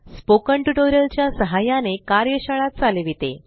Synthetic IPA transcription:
spokəɳʈuʈoɾjəlt͡ɕjasəɦajanekaɾjəɕəɭat̪̚t͡saleʋit̪ḛ

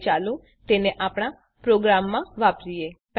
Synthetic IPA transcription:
t͡ʃalũ | t̪eneʔapɽ̃a | pɾoɡɾamːãʋapɾijep

